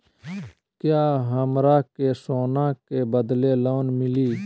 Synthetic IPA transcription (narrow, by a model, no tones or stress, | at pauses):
kjaːɦəmɾaːkeːsoːnãːkeːbəd̪leːloːnmɪliː